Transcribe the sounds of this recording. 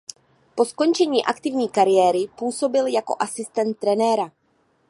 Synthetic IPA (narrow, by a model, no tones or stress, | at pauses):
po̞sko̞nt͡ʃɛɲiːʔakt̪ɪvɲiːkaɾɪjɛːɾɪpuːso̞bɪljako̞̰ʔasɪst̪ɛnt̪̚ːɾɛnɛːɾa